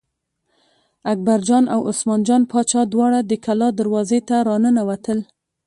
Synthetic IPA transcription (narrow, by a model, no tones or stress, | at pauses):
ak̚baɾd͡ʒɑnawʊ̰smɑnd͡ʒɑnpɑt͡ʃɑd̪wɑɽad̪əkʰalɑd̪əɾwɑzet̪aɾɑnənawat̪əl